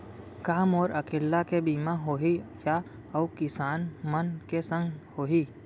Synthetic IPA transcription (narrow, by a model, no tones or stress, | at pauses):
kaːmɔːɾɐkeːlːakebiːmãɦoːɦit͡ʃa | ɔːkɪsaːnmənkesə̃ŋɡhoːɦiː